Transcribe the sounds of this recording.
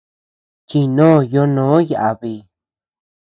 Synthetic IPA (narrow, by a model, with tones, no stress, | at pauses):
t͡ʃi˧nõː˦˨jo˧nõː˨˦ja˨ʔa˨βi˧˨